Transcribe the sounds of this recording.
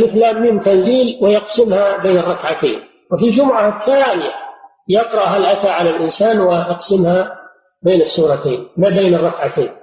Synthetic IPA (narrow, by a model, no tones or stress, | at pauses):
lʔɪflaːmːɪmt̪anziːlwɪjɑqsɪmhabeːnɨrˤːɑkʕat̪ḛːn | wɪfid͡ʒʊmʊʕahθːaːnɪja | jɑqɾˤɑʔɦalʔaθaʕalalʔɪnsaːnwɪʔɑqsɪmha | beːnɪsˤːuːɾˤɑt̪eːnmabeːnɨrˤːɑkʕat̪eːn